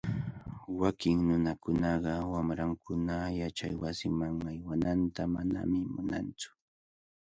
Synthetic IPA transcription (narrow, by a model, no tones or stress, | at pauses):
wakɪŋnʊnakʊnɑɢɑwamɾaŋkʰʊnajat͡ʃajwasɪmaŋajwanant̪amana̰mɪmʊna̰nt͡sʊ̥